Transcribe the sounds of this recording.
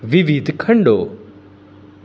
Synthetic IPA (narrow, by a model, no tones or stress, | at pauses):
ʋɪʋid̪ʱkʰɐ̃ɳɖo̰ː